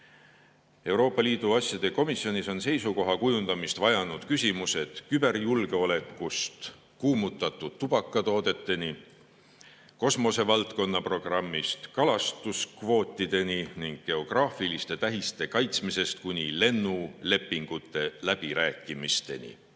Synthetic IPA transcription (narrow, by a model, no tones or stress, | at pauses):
e̞wɾo̞ːpːˑɑliːd̪̥uɑsʲjɑd̪̥e̞ko̞misːjo̞nʲiso̞nse̞jsuko̞ɦɑkujund̪ɑmist̪vɑjɑnud̪̥kysʲimuse̞d̪̥kyb̥e̞rjulɡ̥e̞o̞le̞kːust̪ | kuːmut̪ːˑɑt̪ːˑud̥̪̚t̪ːub̥ɑkːˑɑt̪o̞ːd̪̥e̞t̪ːˑe̞ni | ko̞smo̞se̞vɑlt̪ko̞nːɑpro̞ɡ̥rɑmːist̪kɑlɑst̪uskvo̞ːt̪ˑːid̪̥e̞nʲiniŋɡ̥̚ɡ̥e̞o̞ɡ̥rɑːfilist̪e̞t̪æɦist̪e̞kɑjt̪smise̞st̪̚kunʲile̞nːule̞pːiŋɡ̥ut̪ːˑe̞læb̥iɾæːkːˑimist̪e̞̰nʲḭ